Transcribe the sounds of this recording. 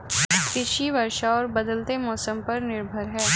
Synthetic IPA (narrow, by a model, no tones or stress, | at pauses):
kɪʃiʋɐɾʃaɔːɾbɐd̪əlt̪emɔːsəmpɐɾnɪɾbʱəɾɦɛː